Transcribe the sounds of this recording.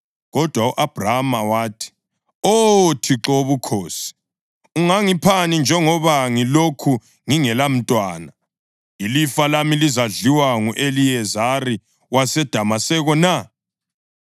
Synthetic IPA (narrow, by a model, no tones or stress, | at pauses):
ɣɔd̥ʱwauʔab̥ʱramawaːtʰi̥ | otʰiǁoβukʰoːsi̥ | uŋaŋipʰanind͡ʒʱɛŋɔβaŋilokʰu | ŋiŋɛlam̩tʼwaːna | ilifalamilizaɮiwaŋuʔelijɛzari | wasɛd̥ʱamasɛɣɔna